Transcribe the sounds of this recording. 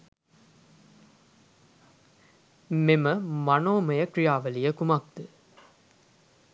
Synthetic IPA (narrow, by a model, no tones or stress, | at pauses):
meməmanoːməjəkɾijaːʋəlijəkumak̚d̪̥ɨ